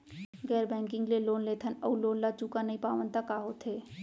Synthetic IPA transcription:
ɡɛːɾbɛ̃ːŋkɪ̃ŋɡleloːnleːt̪ʰənɔuloːnlat͡ʃuːkanɐɦĩpaːʋənt̪akaɦot̪ʰɦeː

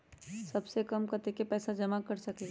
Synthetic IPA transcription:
sɐbsekɐmkɐt̪ekepɛːsad͡ʒɐmakɐɾsɐkli

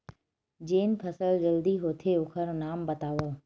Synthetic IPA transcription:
d͡ʑeːnpʰɐsəld͡ʑɐld̪iɦoːt̪ʰeʊkʰəɾnaːmbɐt̪aːʋoː

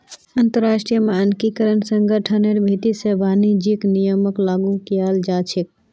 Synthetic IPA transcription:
ənt̪əɾːasʈɾijəmeənkikəɾənsəŋɡʱəʈʰəneɾbʱit̪isebʱanid͡ʒiknijəməklaːɡukijald͡ʒat͡ʃʰik̚

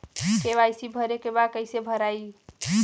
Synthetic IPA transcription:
keβajsibʱəɾekebakəɪsebʱəɾai

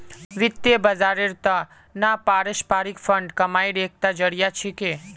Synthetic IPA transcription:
ʋɪt̪jebəzaɾɪɾt̪a | napaɾɪʃpaɾikfəɳɖkəmajɾek̚ʰt̪ad͡ʒəɽjat͡ʃʰeke

